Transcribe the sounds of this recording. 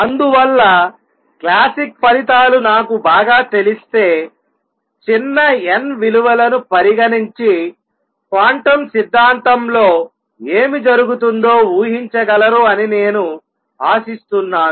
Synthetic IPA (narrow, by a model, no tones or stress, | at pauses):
ɐnd̪uʋɐlːɐ | klaːsik̚pɐlit̪̬aːlunaːkubaːɡaːt̪e̞list̪e̞ː | t͡ʃinːɐenʋiluʋɐlɐnupɐɾiɡɐniɲt͡ʃi | kaːɳʈɐmsid̪ʱːaːnt̪ɐmlo̞ː | e̞ːmid͡ʒɐɾuɡut̪und̪o̞ːuːɦiɲt͡ʃɐɡɐlɐɾuɐnine̞ːnu | aːsist̪unːaːnu